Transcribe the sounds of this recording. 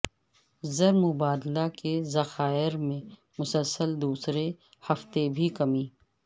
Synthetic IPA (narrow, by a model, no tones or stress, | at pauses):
zɐɾmʊbaːd̪lakezɐxaːɪɾmẽ | mʊsəlsəld̪uːsɾe | hɐft̪ebʱikɐmĩː